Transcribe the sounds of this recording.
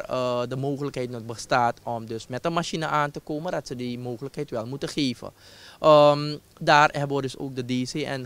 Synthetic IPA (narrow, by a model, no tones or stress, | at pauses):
ədəmoːχələkɦɛjtnɔtbəstaːtɔmdøsmɛtənmaʃinəʔaːntəkoːmədɑtsədimoːχələkɦɛjtʋɛlˠmutəχeːvə̰ | ʔəm | daːrɛbʋədɵso̰ːk̚dədiseɛ̰n